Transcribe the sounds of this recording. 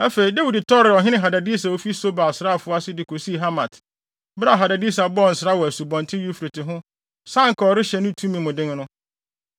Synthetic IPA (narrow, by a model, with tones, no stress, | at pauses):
a˦fe˨i˨da˦wu˨dtʰɔ˦ɾɪ˨ɔ˨ɦɪ̃˦ɪ̃˦ɦa˨da˨di˦sa˨o˦fi˦so˦ba˨sɾa˦˨fʊ˦a˦sɪ˦dɪ˨kʰo˨si˦˨ɦa˦mã˨t | bɾa˦˨ɦa˨da˨di˦sa˨bɔ˦˨n̩˨sɾa˦wɔ˨æ˨su˨bɔ̃˨ntʰɪ̃˦ju˦fɾe˨tɪ˨ɦʊ̃˦ | sã˦ŋ̩˨kʰɔ˨ɔ˨ɾɪ˦ɕɛ˨nʊ̃˦tʰũ˦mĩ˨mʊ̃˨dɪ̃˦ŋ˦nʊ̃˦